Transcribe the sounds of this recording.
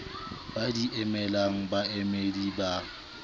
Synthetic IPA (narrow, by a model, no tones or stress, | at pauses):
badiʔɛmɛlaŋ̩baɛmediba